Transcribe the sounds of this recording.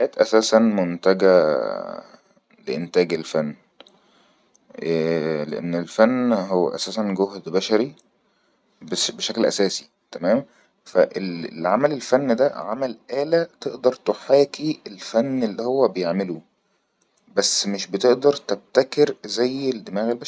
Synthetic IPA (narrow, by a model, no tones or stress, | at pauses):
ʔæːt̪ʔæsæːsænmont̪æɡæ | lḛʔent̪æːɡelfænː | lḛʔḛnːelfænːhowːæ̰ʔæ̰sæːsænɡoɦd̪bæʃæɾi | bbeʃæklʔæ̰sæːsi̥ | t̪æmæːm | fæʔellʕamælelfænːd̪æʕamælʔæːlæt̪eʔd̪ɑɾˤt̪oħeːkielfænːelːihowːæbejeʕmelu | bæsːmeʃbet̪eʔd̪ɑɾˤt̪eb̚t̪ækeɾzæjːed̪ːemæːɣelbæʃ